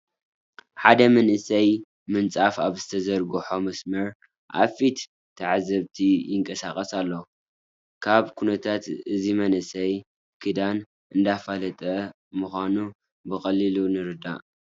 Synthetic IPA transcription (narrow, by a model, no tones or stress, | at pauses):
ħad̪ɐmɐnɨsɐj | mɨnt͡sʼafaβzɨt̪ʰɐzɐɾɡɨħo̞mɐsmɐɾ | ʔa̰fit̪ | t̪ʰːaʕazɐβt̪ʰijɪŋkʼɐsaxʼɐsalːo | kʰaβkʰunɐt̪ʰat̪ɨzimɐnɨsɐj | kʰɨd̪an | ʔɨnd̪afalɐt̪ʼɐ | muxʷanu | bɨxʼɐlilunɨɾɨd̪a̰ʔ